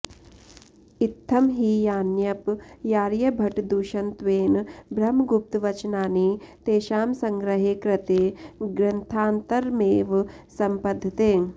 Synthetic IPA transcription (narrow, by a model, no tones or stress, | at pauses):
it̪ʰːɐmɦiːjaːnjɐpjaːɾjɐbʱɐʈd̪uːʃɐnt̪ʋeːnbʱɾɐmɡup̚t̪ʋɐt͡ʃnaːniːt̪eːʃaːmsɐŋɡɾɐɦeːkɾɐt̪eːɡɾɐnt̪ʰaːnt̪ɐɾmeːʋsɐmpɐd̪ʱːɐt̪eː